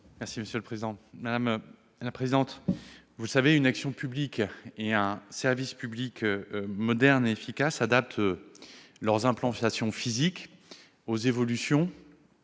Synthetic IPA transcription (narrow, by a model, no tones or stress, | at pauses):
mɛʁsiməsjøləpχezid̪ɑ̃mad̪am | lapχezid̪ɑ̃t̪ | vuləsaveynaksjɔ̃pyblikeɛ̃sɛʁvispyblikʰømɔd̪ɛʁneefikʲasad̪ap̚t̪ʰ | lœʁzɛ̃plɑ̃t̪asjɔ̃fizik | ozevɔlysjɔ̃